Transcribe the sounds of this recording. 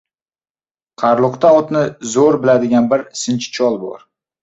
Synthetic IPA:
qʰɑɾlˠʊqt̪aɒt̪nɪzoɾbɪlad̪ɪɡʲanbɪɾsɪnt͡ʃt͡ʃʰɒlˠbɒ̰ɾ

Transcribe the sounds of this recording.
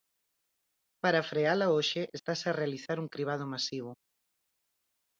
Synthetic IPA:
paɾafɾealaoʃɪʔest̪asarealiθaɾuŋkɾiβ̞að̞ʊmasiβ̞ʊ

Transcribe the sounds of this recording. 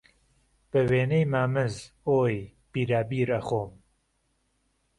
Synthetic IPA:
b̥ɨweːnejmaːmɨz | oːj | b̥iːɾaːbiːɾaxoːm

